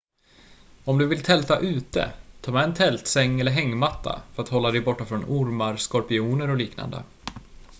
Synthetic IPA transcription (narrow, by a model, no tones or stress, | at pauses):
ɔmd̪ɵvɪlt̪ʰɛlt̪aʔʉ̟ːt̪ə̰t̪ʰɑːmɛːɛnt̪ʰɛlt̪sɛŋːɛlːəɾɦɛŋːmat̪ʰːa̰fœɾat̪hɔlːad̪ɛjbɔʈːafɾɔnʊɾmaɾskɔɾpɪuːnəɾɔliːkna̰nd̪ə̰